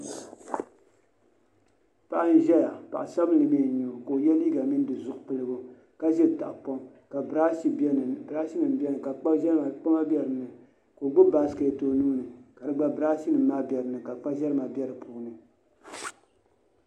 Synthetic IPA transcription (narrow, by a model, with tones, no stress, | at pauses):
pa˨ʔa˦n̩˦ʒɛ˦ja˨pa̰˨ʔa˨sa˦bɨ˦nlɨ˨mi˨ɲu˨ko˨jɛ˦n˦i˦ɡa˨mi˦n˦dɨ˨zʊ˨ʔpɨ˨lɨ˦bʊ˦ | ka˦ʒɛ˦˨ta̰˨ʔpo˦m | ka˨a˦˨bɾa˦ʃi˦nɨ˨m˨˦bɛ˦nɨ˨ka˨k͡pa˦ʒɛ˦ɾma˨k͡pa˦ma˦bɛ˨ɾɨ˨nɨ˨ | ko˨ɡ͡bɨ˦ba˨sɨ˦ke˨toː˨nuː˦nɨ˨ka˨dɨ˦ɡ͡ba˦bɨ˨ɾa˦ʃi˦nɨ˨mː˦a˦bʲɛ˨ɾɨ˨nɨ˨ka˨k͡pa˦ʒɛ˦ɾɨ˦ma˨bʲɛ˦ɾɨ˨pʰuː˦nɨ˨